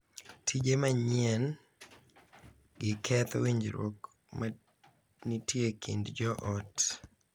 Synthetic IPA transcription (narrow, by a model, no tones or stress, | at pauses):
tʰid͡ʒemaɲɪɛn | ɡɪkʰɛt̪wiɲd͡ʒɾwo̰k | ma | nitjekʰḭndd͡ʒɔʔɔt